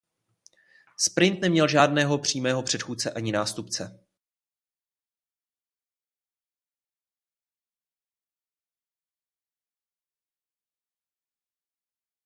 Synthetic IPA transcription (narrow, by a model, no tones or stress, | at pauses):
spɾɪnt̪nɛmɲɛlʒaːdnɛːɦo̞pr̝̥iːmɛːɦo̞pr̝̥ɛt̪xuːt̪t͡sɛʔaɲɪnaːst̪upt͡sɛ